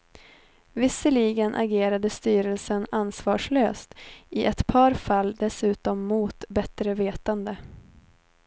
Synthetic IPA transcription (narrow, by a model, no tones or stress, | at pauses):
vɪsːəliːɡənʔa̰ɡeːɾad̪əst̪yːɾəlsənansvɑːʂløːst̪ʔɪʔɛt̪pʰɑːɾfalːd̪ɛsʉ̟ːt̪ɔmːuːt̪bɛt̪ɾəveːt̪and̪ə